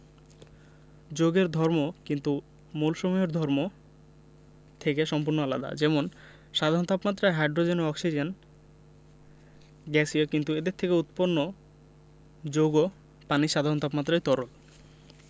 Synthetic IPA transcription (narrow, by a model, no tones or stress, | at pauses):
d͡ʑoɡeɾd̪ʱɔɾmokint̪u | mulʃomoeɾd̪ʱɔɾmo | t̪ʰekeʃɔmpuɾnoala̰d̪a̰d͡ʑɛmon | ʃad̪ʱaɾɔnt̪apmat̪ːɾajɦajɖɾod͡ʑenoɔksid͡ʑen | ɡɛsiokint̪ued̪eɾt̪ʰekeut̪ponːo | d͡ʑoɡo | paniʃad̪ʱaɾɔnt̪apmat̪ːɾajt̪ɔɾol